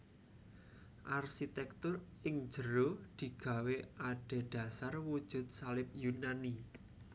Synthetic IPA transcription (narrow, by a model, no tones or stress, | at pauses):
ʔarsit̪ɛk̚t̪ʊrɪŋ̥d͡ʒəɾod̪̥i̤ɡ̥ä̤weʔaɖ̥e̤ɖ̪̥a̤sarwud̥ʒ̥ʊ̤t̪̚salɪp̚junani